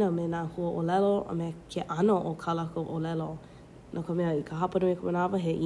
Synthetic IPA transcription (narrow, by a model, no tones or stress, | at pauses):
əmenaːhuəʔolɛloə̰mekʰeʔɐnoʔokʰɐləkʰəʔolɛlo | nʔakəmɛəikʰəɦɐpənəmekʰəbənavəɦeʔi